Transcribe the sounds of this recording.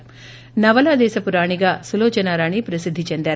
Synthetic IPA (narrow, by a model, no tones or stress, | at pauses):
nɐʋɐlaːd̪ɛːsɐpuɾaːɳiɡaːsuloːt͡ʃɐnaːɾaːɳipɾɐsid̪ʱːit͡ʃend̪aːɾ